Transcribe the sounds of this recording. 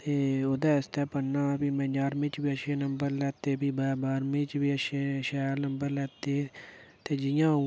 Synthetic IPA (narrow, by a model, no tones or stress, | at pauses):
t̪eːoːd̪aːɪst̪ɛːpənːãːbiːmɛ̃ːd͡ʒaːɾmĩːt͡ʃbiːəʃeːnəmbəɾlɛːt̪eːbiːbaːbaːɾmĩːt͡ʃbiːəʃeːʃɛːnəmbəɾlɛːt̪eːt̪eːd͡ʒɪjãːu